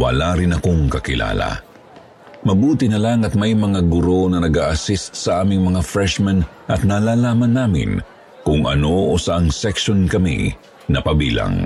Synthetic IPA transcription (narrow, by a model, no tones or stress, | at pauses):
wɐ̰laɾɪnɐkoŋkɐkɪla̰ːla̰ | mɐbuːt̪ɪnɐlaŋɐt̪̚mɐjmɐŋaɡʊɾo̞nɐnɐɡaːʔɐsist̪̚sɐʔaːmɪŋmɐŋafɹɛʃmɛn | ʔɐt̪̚naːlaːlaːmɐnːaːmɪ̰n | kʊŋʔɐ̰no̞ʔosaʔɐŋsɛkʃonkɐmḭ | nɐpɐbiːla̰ŋ